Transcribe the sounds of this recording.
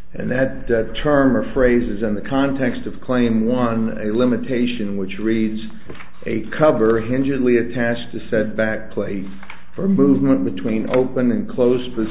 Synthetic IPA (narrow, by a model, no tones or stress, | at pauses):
ɨ̰̃nðɨttʰɜ̃˞məfɹeɪzɨzɨ̃nðɨkʰɑ̃ntʰɛkstʌv̥kʰl̥ẽɪ̃mwʌ̃nɨ̰lɪ̃mɨtʰeɪʃɨ̃nwət͡ʃɹidz | ʔɨkʰʌvə˞ɦɪ̃nd͡ʒə˞dˡliɨtʰæt͡ʃtʰɨsɛd̚bæk̚pʰl̥eɪt̚ | fə˞muvmə̃nb̥ɨtʰw̥ĩno̰ʊpə̃nɨ̃nkʰl̥oʊsb̥ɨ